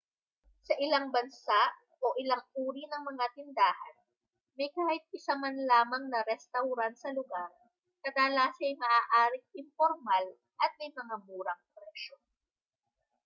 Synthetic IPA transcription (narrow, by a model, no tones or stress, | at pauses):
sɐʔɪlaŋbɐnsaʔ | ʔoʔɪlaŋʔuːɾinɐŋmɐŋat̪ɪnd̪aːhɐn | mɐjkaːhɪt̪̚ʔɪsamanlaːmɐŋnɐɾɛst̪ɐwɾansɐlʊɡaɾ | kɐd̪alaːsɐjmɐʔaːʔaːɾɪŋʔɪmpoɾmal | ʔɐt̪̚mɐjmɐŋamuːɾɐŋpɾɛʃo